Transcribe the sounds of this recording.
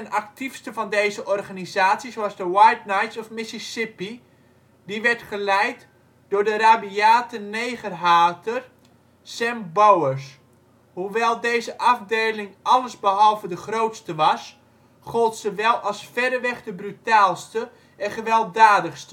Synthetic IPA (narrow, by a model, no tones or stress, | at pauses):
ənak̚tifstəvɑndejzəʔɔrχanizaːtsisoɑzdəwajt̚najtsɔfmɪsɪsɪpi | diʋɛrtχəlɛjt | d̥ʊːrdəraːbiaːtəneːχərɦaːtər | sɛmbowəs | huʋɛlˠdeːzəʔɑfdeːlɪŋʔɑlˠəzbəɦɔlˠvədəχrowtstəʋɑs | χolˠtsəʋɛlˠɑlˠsfɛdəʋɛχdəbrytaːlˠstə | ɛnχəʋɛlˠdaːdəχstə